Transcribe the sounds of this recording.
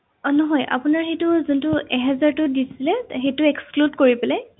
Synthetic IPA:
ɔnɔɦɔjʔa̰pʊnaɹxejtʊzuntuɛɦɛzaɹtʊdisilɛxejtʊekskludkoɹipɛlɛ

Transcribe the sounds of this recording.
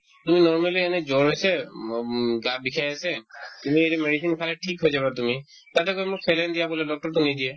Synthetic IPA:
tuminɔɹmaliɛnɛzɔɹɦojsɛ | ɡabikʰajasɛtumieɾɛmeɹisinkʰalɛtʰikɦojzaβatumi | tatɛkojmʊkpʰɛlɛndijabɔlɛdɔk̚tɔɹtʊnidiɛ

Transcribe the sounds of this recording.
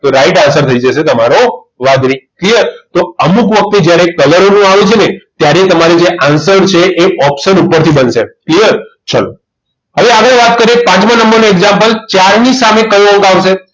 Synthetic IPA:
t̪oɾaiʈãnsəɾt̪ʰəid͡ʒəʃet̪əmaɾo | ʋad̪ɾiklijəɾt̪oəmukʋək̚t̪ed͡ʒjaɾekələɾonũaʋet͡ʃʰenet̪jaɾet̪əmaɾid͡ʒeʔansəɾt͡ʃʰeʔeʔɔpʃənupəɾt̪ʰibənʃeklijəɾt͡ʃʰəlo | ɦəʋeaɡəɭeʋat̪̚kəɾiepãt͡ʃmãnə̃mbəɾnoeɡzãmpəlt͡ʃaɾnisamekəʋə̃ŋkaʋʃe

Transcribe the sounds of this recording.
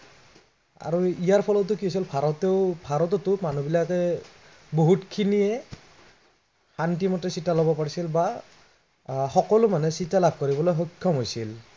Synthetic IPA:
a̰ɹuijaɹpʰɔlɔtːʊkiɦojsilbʱaɹɔtɛʊbʱaɹɔtɔtʊmanubilakɛ | boɦutkʰiniɛ | xantimɔtɛsitalɔbɔpaɹisilba | xɔkɔlʊmanɛsitalab̚ʱkoɹibɔlojɦɔkʰːɔmɦojsil

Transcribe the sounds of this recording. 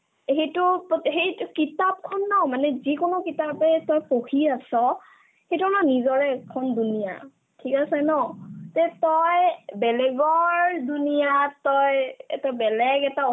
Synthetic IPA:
ɦejtʊpɔɦejtʊkitap̚kʰɔnːɔmanɛzikonʊkitapɛtɔjpohiasɔ | hejtunɔnizɔɹɛkʰɔndunija̰ | tʰikasɛnɔtɛtɔjbɛlɛɡɔɹdunijatɔjɛ̰tabɛlɛɡɛta

